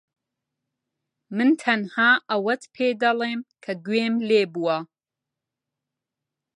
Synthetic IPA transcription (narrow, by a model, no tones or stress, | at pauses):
mɨnt̪ʰɐnhaːʔɐwɐt̪pʰeːd̪ɐlˠeːmkʰɐɡweːmleːbuwɐ